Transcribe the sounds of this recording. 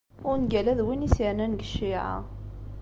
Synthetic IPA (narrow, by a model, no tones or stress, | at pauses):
ʊɾnɡælæðwinisjənænɡəʃːiʕa̰